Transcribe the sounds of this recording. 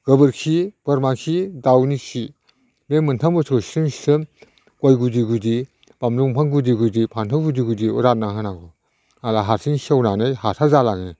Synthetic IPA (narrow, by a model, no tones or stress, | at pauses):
ɡ̥ɯbɯɾkʰib̥ɯɾmakʰidawnikʰi | memɯntʰambɯsʰɔwsi̥sɯmsi̥sɯm | kojɡudiɡudi | b̥amluŋpʰaŋɡudiɡudipʰantʰawɡudiɡudiṵɾat̚naŋɦɯnaɡɔ | nalaɦaɾsʰiŋsiawnanɯjhaɾtʰazalaŋi